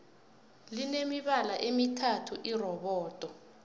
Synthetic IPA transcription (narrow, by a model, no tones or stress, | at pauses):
linemiɓalaʔemitʰatʰuʔirɔɓɔːd̥ʱʼɔ